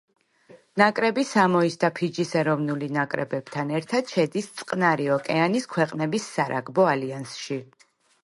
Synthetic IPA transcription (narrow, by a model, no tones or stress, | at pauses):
nakʼɾɛbisamɔisd̪apʰid͡ʒisɛɾɔvnulinakʼɾɛ̰bɛb̥t̪ʰanɛɾt̪ʰad̪̥ʃɛd̪ist̪sʼqʼnaɾiɔkʼɛaniskʰwɛqʼnɛbisːaɾaɡbɔaliansʃi